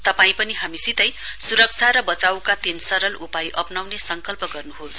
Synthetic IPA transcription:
t̪ʌpaĩpʌniɦamisit̪ʌjsuɾʌk̚t͡sʰaɾʌbʌt͡sawkat̪ensʌɾʌlʔupajʔʌpnawnesʌŋkʌlpʌɡʌrnuɦos

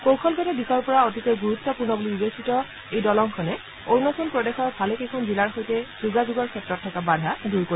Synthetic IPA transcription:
kowkʰɔlɡɔtɛdixʰɔɹpɔɹaotikɔjɡuɹut̪ːɔpuɹnɔbulibibesitɔ | ejdɔlɔŋkʰɔnɛ | oɹnɔsʰɔnpɹɔdexɔɹbʰʱalekejkʰɔnzilaɹxojtɛzuɡazuɡɔɹkʰɛtɹɔtʰːɔkabadʱaduɹko

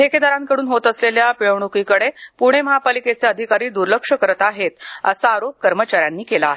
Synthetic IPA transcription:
ɦʰeked̪aɾaŋkəɽuːnɦot̪əsleljapiɭəʋɳ̃okikəɽepuɽ̤̃eməɦapaliket͡seəd̪ʱikaɾiːd̪uɾləkʂəkəɾət̪aɦet̪ə̰saːɾop̚kəɾmət͡ɕaɾjanːiːkelaːɦe

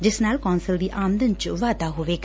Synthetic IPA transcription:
d͡ʒɪsnaːlkɔːnsəld̪iːʔaːmd̪ənt͡ʃʋaːd̪aːɦoːʋeːk

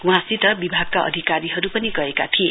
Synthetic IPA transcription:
w̃ɦãsit̪ʌbibʱaɡ̚kaʔʌ̰d̪ʱikaɾiɦʌɾupʌniɡʌeka̰t̪ʰie

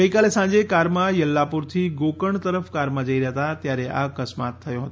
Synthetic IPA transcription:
ɡəikalesãɲd͡ʒekaɾmãjəlːapuɾt̪ʰiɡokəɳt̪əɾəfkaɾmãd͡ʒəiɾəɦət̪at̪jaɾeʔa̰kəsmat̪ʰːəjoɦət̪o

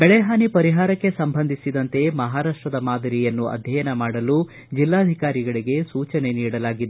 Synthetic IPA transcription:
bɛɭɛɦaːnipɐɾiɦaːɾɐkːe̞sɐmbʱɐnd̪ʱisid̪ɐnt̪e̞mɐɦaːɾaːʂʈɾɐd̪ɐmaːd̪ɐɾijɐnːuɐ̰d̪ʱjɐjɐnɐmaːɽɐlu | d͡ʒilːaːɐd̪ʱikaːɾiɡɐɭiɡe̞suːt͡ʃɐne̞niːɽɐlaːɡid̪ːe

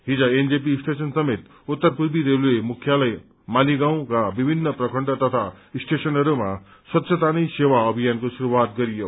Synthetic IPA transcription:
ɦid͡zʌend͡zepiːsʈesʌnsʌmet̪ | ut̪ːʌrpuɾbiɾeluemukʰjalʌj | maliɡaw̃kabibʱinːʌprʌkʰʌɳɖʌt̪ʌt̪ʰaisʈesʌnɦʌɾuma | swʌt̪ːsʰʌt̪anijsewaʌbʱijankosuɾuwat̪̚ɡʌɾijo

